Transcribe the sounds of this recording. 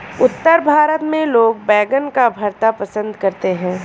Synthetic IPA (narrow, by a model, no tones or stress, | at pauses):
ʊt̪ːəɾbʱaːɾət̪mẽloːɡ̚bɛːɡənkabʱɐɾt̪apɐsə̃nd̪kɐɾt̪eɦɛ̃ː